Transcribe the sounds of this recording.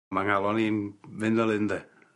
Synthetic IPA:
maŋalˠɔniːnvɪndɛlˠɪndɛ

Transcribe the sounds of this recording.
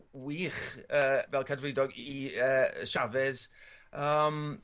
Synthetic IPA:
wiːχəːvɛlˠkʰadvrɪdɔɡiəːʃavɪðəːm

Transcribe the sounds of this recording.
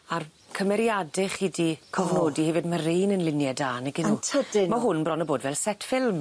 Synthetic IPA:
ar | kʰəmɛɾjadɪχidikʰɔvnoːdihɛvɪdməɾejnənlˠɪnjɛdaːnɛɡɪnutʰədɪmaɦʊnbrɔnəboːdvɛlˠsɛtfɪlˠm

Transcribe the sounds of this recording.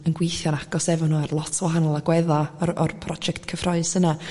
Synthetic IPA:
ənɡwejθjɔnaɡ̥ɔsɛvɔnuːarlˠɔtʰwahanɔlˠaɡwɛðaɔrpʰrɔd͡ʒɛktkʰəfrɔɨsəna

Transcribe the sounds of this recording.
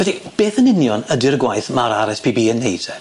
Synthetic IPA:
vɛdib̥eːθənɪnjɔnədɪrɡwajθmaɾaɾɛspʰiːbiːənːejdʰɛ

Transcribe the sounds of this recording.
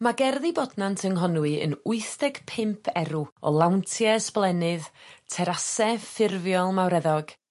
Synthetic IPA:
maɡɛrðibɔdnantʰəŋɦɔnwɨə̰nʊɨθd̥ɛɡ̥pʰɪmpʰɛɾuɔ̰lˠawntʰjɛsplˠɛnɨðtʰɛɾasɛfɪrvjɔlˠmawɾɛðɔɡ̥

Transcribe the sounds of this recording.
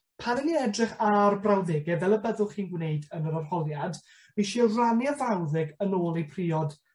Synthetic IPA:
pʰanəniɛdrɪχarbrawðɪɡɛvɛlˠəbəðʊlˠχiːnɡwnejdənəɾarhɔlˠjad | miʃiɔranjavawðɪɡənoːlˠejpʰriːɔd̥

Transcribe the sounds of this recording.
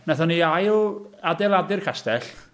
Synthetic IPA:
naθɔniajadɛlˠadɪrkʰastɛɬ

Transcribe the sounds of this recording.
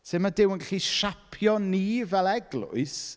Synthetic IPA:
semadɪwənɡaɬiʃapʰjɔnivɛlˠɛɡlʊ̰ɨs

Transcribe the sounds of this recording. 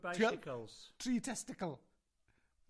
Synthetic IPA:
bajɪkʰəlˠz̥tʰriːtʰɛstɪkəlˠ

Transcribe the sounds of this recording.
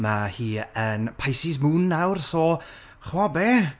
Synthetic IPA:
mahiːənpʰajsɪs̬muːnːawrsɔ | χwabeː

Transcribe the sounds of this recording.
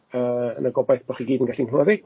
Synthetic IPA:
əə̰nəɡɔbajθb̥ɔχiɡiːdənɡaɬinrɛðɪɡ̥

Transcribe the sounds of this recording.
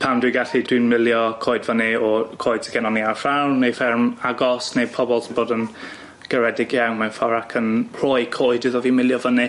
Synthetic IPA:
pʰandwɪɡaɬid̥wɪnmɪlˠjɔkʰoːɨdvənɪɔkʰoːjd̥sʰəɡɛnɔniarfrawrnejfɛrmaɡɔsnejpʰɔbɔlˠsʰboːdən | ɡ̥əɾɛdɪɡjawnmanfaɾakʰənr̥ɔɨkʰoːɨdɪðɔviːmɪlˠjɔvənɪ

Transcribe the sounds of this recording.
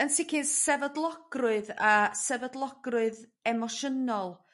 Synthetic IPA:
ənsɪkʰɪnsɛvədlˠɔɡ̥rʊɨðasɛvədlˠɔɡ̥rʊɨðɛmɔʃənɔlˠ

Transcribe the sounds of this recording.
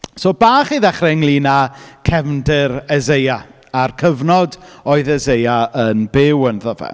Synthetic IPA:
soːbaːχiðɛχrɪŋlˠinakʰɛvndɪɾɛzeja | arkʰəvnɔdɔːɨðɛzejaənbɪwənðɔvɛ̰

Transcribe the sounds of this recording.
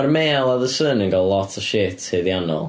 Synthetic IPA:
armeːlˠaðəsənə̃nɡɔlˠɔtʰə̥ʃetheðjanɔ̰lˠ

